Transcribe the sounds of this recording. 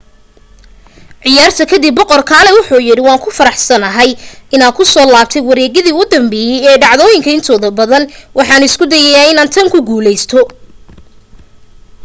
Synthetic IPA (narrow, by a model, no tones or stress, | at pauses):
ʕɪjaːrt̪ʰɐkʰɐd̪ɪbːɔqɔrkʰaːlɛwʊħuːjɪɽɪwɑːŋkʰʊfɐɾɑħsɐnɐɦɛjɪnaːd̪kʰʊsɔːlaːb̚t̪ʰɛjwɐɾɛːɣɪðiːʊʊd̪ɐmbɛːjɛjɛːɖɑʕðɔːjɪŋkʰɐɪnt̪ʰɔːðɐbɐðɐnwʔɑħɑːnɪskʰʊd̪ɛjɛjaːɪnaːnt̪ʰɐŋkʰʊɡuːlɛjst̪ʰɔ